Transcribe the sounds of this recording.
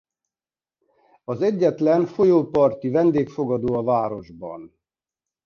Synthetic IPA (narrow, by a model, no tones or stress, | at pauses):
ɒzɛɟːɛt̪lɛnfo̞joːpɒrt̪ivɛnd̪eːkfo̞ɡɒd̪oːɒvaːɾo̞ʒbɒ̰n